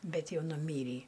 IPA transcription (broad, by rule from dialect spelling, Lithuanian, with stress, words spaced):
ˈbʲɛt ˈjɛʊ nʊˈmʲiːrʲiː